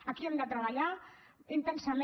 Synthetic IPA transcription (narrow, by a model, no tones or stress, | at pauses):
akiond̪at̪ɾaβaʎaint̪ensame